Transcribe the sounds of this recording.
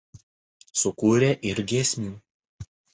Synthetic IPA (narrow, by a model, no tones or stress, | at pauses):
sʊkuːɾʲeːʔɪɾɡʲiɛsʲmʲuː